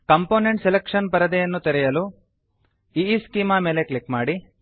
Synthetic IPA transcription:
kɐmpoːneɳʈselekʂɐnpɐɾɐd̪ɛjɐnːut̪eɾɛjɐlu | iːskiːmaːmeːleklikmaːɽi

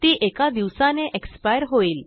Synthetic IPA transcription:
t̪iːʔekad̪iʋsãneʔekspajəɾɦoiːl

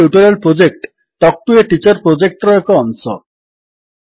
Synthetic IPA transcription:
uʈoɾelpɾod͡ʑek̚ʈ | tɔk̚ʈueʈit͡ɕoɾpɾod͡ʑek̚ʈɾɔekoɔnʃɔ̰

